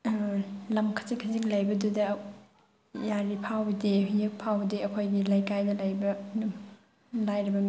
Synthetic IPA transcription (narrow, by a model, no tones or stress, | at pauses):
lɐmkʰɐ̥zikʰɐziklajbɐdudɐ | jaɾipʰawbɐdeɦjɯk̚pʰawbɐdeɐkʰojɡilajkajnɐlajbɐ | lajɾɐbɐm